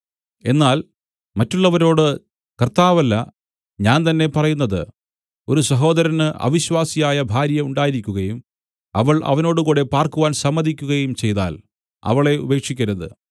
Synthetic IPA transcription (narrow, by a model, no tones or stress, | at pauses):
e̞nːaːl | mɐtːuɭːɐʋɐɾo̞ːɽɨ | kɐrt̪aːʋɐlːɐ | ɲaːnt̪ɐnːe̞pɐrɐjun̪ːɐðɨ̰ | oɾusɐɦo̞ːd̪ɐɾɐnɨʔɐ̰ʋiɕwaːsijaːjɐbʱaːɾjɐuɳɖaːjiɾikʲːuɣɐjum | ɐ̰ʋɐɭʔɐ̰ʋɐno̞ːɽukuːɽe̞paːrkuʋaːnsɐmːɐd̪ʱikʲːuɣɐjumt͡ɕe̞jt̪a̰ːl | ɐ̰ʋɐɭe̞ube̞ːkʂikʲːɐɾɐðɨ̰